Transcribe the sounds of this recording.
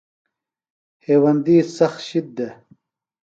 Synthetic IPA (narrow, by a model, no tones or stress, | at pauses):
heːwɐnd̪iːsɐxɕid̪̚d̪e